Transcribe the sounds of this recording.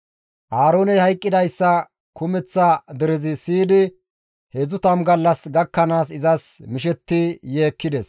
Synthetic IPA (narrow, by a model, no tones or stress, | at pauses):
ʔaːɾo̞ːnɛhɐjkʼːɪd̪ɐjsːɐ | kʊmɛt͡sːɐd̪ɛɾɪzɪsiːd̪ɪ | hezʊt̪ɐmɡɐlːɐsɡɐkːɐnaːsɪzɐsmɪʃɛt̪ːɪjeːkːɪd̪ɛs